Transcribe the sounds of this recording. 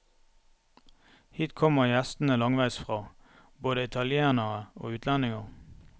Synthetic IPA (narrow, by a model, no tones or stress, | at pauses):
hiːt̪kʰɔməjæst̪n̩əlɑŋʋæɪsfʁɑː | boːd̪əɪt̪ʰɑljeːʁnəʁəo̰ːʉːt̪ʰlænɪŋəʁ